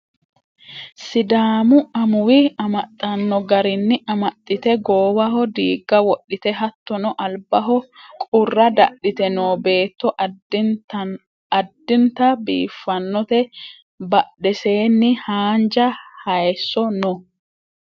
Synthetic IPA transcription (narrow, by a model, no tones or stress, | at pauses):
sɪd̪aːmʊɐmʊwɪɐmɐt̪ʼːɐnːɔɡɐɾɪnːɪɐmɐt̪ʼːɪt̪ɛɡoːwɐɦɔd̪iːɡːɐwɔɗːɪt̪ɛɦɐt̪ːɔnɔʔɐlbɐɦɔkʼʊrːɐd̪ɐɗɪt̪ɛnoːbe̞ːt̪ːɔ | ɐd̪ːɪnt̪ɐbḭːfːɐnːɔt̪ɛ | bɐɗɛse̞ːnːɪhaːnd͡ʒɐhɐjsːɔnɔ